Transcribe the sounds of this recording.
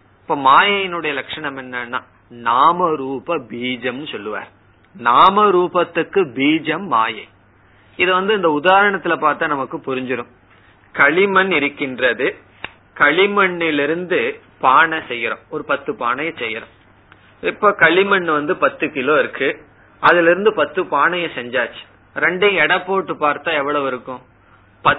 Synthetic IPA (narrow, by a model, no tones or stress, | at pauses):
ɪpːoːmaːjɐjɪnɯɽɐjɐlɐkʂɐɳɐmɛnːɐnːaː | naːmɐɾuːpɐbiːd͡ʒɐmnɯsɔlːɯʋa̰ːɾ | naːmɐɾuːpɐt̪ːɯkːɯbiːd͡ʒɐmːa̰ːjɐɪ | ɪðɯʋɐnd̪ɯɪnd̪ɐʊðaːɾɐɳɐt̪ːɪlɐpaːɾt̪aːnɐmɐkːɯpʊɾɪɲd͡ʒɪɾʊ̃m | kɐɭɪmɐnɪɾɯkːɪndrɐðɯ | kɐɭɪmɐɳːɪlɪɾɯnd̪ɯ | paːɳɐsɛjːɪɾõ̰ːɔɾɯpɐt̪ːɯpa̰ːɳɐjɐ̃sɛjːɪɾõ̰ː | ɪpːoːkɐɭɪmɐɳːɯʋɐnd̪ɯpɐt̪ːɯkɪloːɪɾɯkːɯ | ʔɐðɪlɪɾɯnd̪ɯpɐt̪ːɯpaːɳɐjɐ̃sɛɲd͡ʒaːt͡ʃːɯ̥ | ɾɛɳɖɪj̃ɛɽɐpːoːʈːɯpaːɾt̪ãːɛʋːɐɭɐʋɪɾɯkːʊ̃ | pɐ